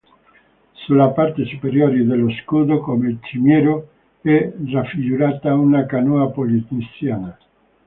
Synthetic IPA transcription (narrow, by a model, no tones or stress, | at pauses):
sulapaɾt̪esupeɾjoɾid̪eloskud̪okomelt͡ʃimjɛɾo | ɛrafiɡuɾat̪aunakanuapolit̪nisjana